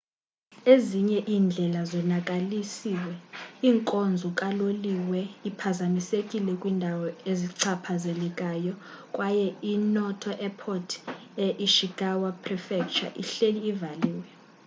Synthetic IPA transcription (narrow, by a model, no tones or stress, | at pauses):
eziɲɛʔiːnd͡ɮʱɛlazɔnak̬ʼalisiːwɛiːŋkʼond͡zʱukʼaloliwɛipʰazamisekʼilɛkʼwiːndʱawɔeziǀʰapʰazelɛkʼajɔ | kʼwajɛinɔtʰɔʔɛpʰɔtʰɛʔiʃiɡ̥awapʰʼrifɛk̚t͡ʃʼa̰ʔḭɬeliːvaliːwɛ